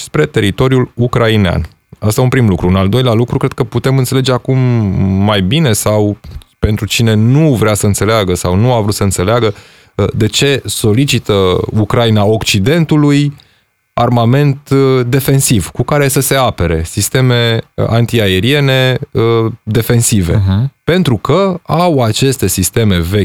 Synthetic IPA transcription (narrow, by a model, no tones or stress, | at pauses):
spɾe̞t̪e̞ɾit̪o̞ɾjulukɾainea̰n | əst̪aunpɾimlukɾuːnald̪o̞jlealukɾukɾed̪̚kəput̪e̞mɨnt̪se̞le̞d͡ʒe̞akumːajbine̞sawpe̞nt̪ɾut͡ʃine̞nuvɾeasəɨnt̪se̞leaɡəsawnuavɾut̪səɨnt̪se̞leaɡə | d̪e̞t͡ʃe̞so̞lit͡ʃit̪əukɾainao̞kt͡ʃid̪e̞nt̪uluj | armame̞nt̪d̪e̞fe̞nsivkukaɾe̞səse̞ape̞ɾe̞̰sist̪e̞me̞ant̪iae̞ɾie̞ne̞əd̪e̞fe̞nsive̞pe̞nt̪ɾukəawat͡ʃe̞st̪e̞sist̪e̞me̞ve̞